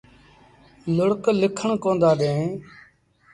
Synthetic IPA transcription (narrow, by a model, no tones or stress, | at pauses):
lʊɽklɪkʰəɳkõːnd̪aːɗẽː